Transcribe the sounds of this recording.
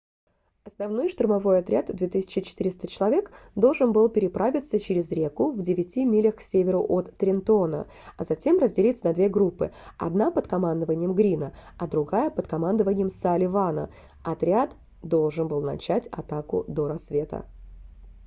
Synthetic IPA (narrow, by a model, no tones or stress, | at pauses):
ɐsnɐvno̞jʂt̪ʊrmɐvo̞jɐt̪ɾʲad̪d̪vʲet̪ɨsʲɪ̥t͡ɕɪt͡ɕɪ̥t̪ɨɾʲɪst̪ət͡ɕɪlˠɐvʲe̞kd̪o̞lˠʐɨnbɨlˠpʲɪɾʲɪpɾavʲɪt̪sət͡ɕɪɾʲɪzɾʲe̞kʊvdʲɪvʲɪtʲimʲilʲəxsʲevʲɪɾʊʔot̪ːɾʲɪnt̪onə̰ | ɐzɐtʲe̞mrəzʲdʲɪlʲit̪sənɐd̪vʲeɡɾupːɨ̰ɐ̰d̪napət̪kɐmand̪əvənʲɪjəmɡɾʲinəɐd̪ɾʊɡajəpət̪kɐmand̪əvənʲɪjəmsalʲɪvanə̰ | ɐt̪ɾʲat̪ | d̪o̞lˠʐɨnbɨlˠnɐ̰t͡ɕætʲɐ̰t̪akʊ̰d̪oɾɐsvʲe̞t̪ə̰